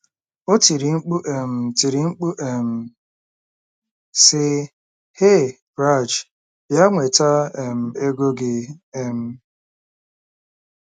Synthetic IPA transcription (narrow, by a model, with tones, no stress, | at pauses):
o˦ti˨ɾi˨ŋ͡m̩˦k͡pu˦ʔe˨m̩˨ti˨ɾi˨ŋ͡m̩˦k͡pu˦ʔe˨m̩˨ | sɪ˦ | he˦˨ | bɾa˦˨d͡ʒ | ja˦ŋʷe˨ta˦ɛ˨m̩˨e˦ɡo˦ɡɪ˨e˦m̩˦